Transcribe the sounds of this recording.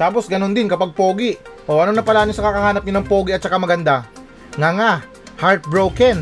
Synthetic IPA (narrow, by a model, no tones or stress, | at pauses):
t̪aːp̬o̞sɡɐno̞nd̪ɪnkɐpaɡ̚poːɡɪʔʔoʔɐnoŋnɐpɐlaːnɪsɐkakɐhaːnɐp̚ɲonɐŋpo̞ːɡɪʔɐt̪̚t͡ʃɐkamɐɡɐnd̪a | ŋaŋa | haɹt̪̚bɹowkɛn